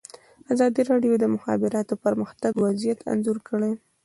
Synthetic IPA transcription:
azɑd̪iɾɑɖjod̪əmʊxɑ̰bɪɾɑt̪opəɾməxt̪aɡwazijat̪ʰa̰nzuɾkəɽe

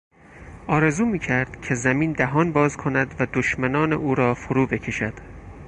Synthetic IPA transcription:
ʔɒːɾe̞zuːmiːcʰæɾd̪̥cʰe̞zæmiːnd̪æɦɒːnbɒːzkʰonæd̪væd̪oʃmænɒːnḛʔuːɾɒːfoɾuːbe̞cʰe̞ʃæd̪̥

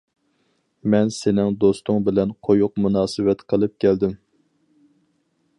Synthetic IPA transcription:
mɛnsenɪŋd̪ost̪ʊŋbɪlɛnqʰojʊqmunɑːsɨwɛt̪qʰəlˠɨp̚kʲʰæld̪ɪm

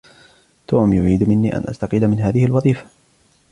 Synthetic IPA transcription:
t̪oːmjʊʕiːd̪mɪnːiːʔa̰nʔa̰st̪ɑqiːlamɪnɦaːðɪhɪlwɑðˤiːfḁ

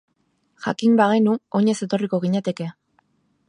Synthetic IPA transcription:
ʝa̰kimbaɣ̞e̞nuo̞ɲe̞se̞t̪o̞riko̞ɣ̞iɲat̪e̞ke̞

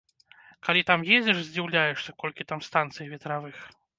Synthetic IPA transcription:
kalʲit̪amjed͡zʲɛʂzʲd͡zʲiwlʲajɛʂsʲɐkɔlʲkʲit̪amst̪ant̪sɨjvʲɛt̪ɾavɨx

